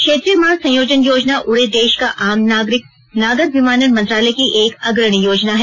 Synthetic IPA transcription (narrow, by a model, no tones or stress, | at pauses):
kʃeːt̪ɾiəmaːɾsɐ̃joːd͡ʒənjoːd͡ʒnaʔʊɽed̪eːʃkaʔaːmɾɪk | naːɡət̪ʋimaːnənmɐ̃nt̪ɾaːlɛkiʔeːkɐɡɾəɽ̃ijoːd͡ʒnaɦɛː